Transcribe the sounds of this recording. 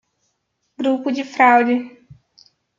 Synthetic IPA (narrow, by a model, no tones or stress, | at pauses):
ɡɾupʊd͡ʒɪfɾawd͡ʒɪ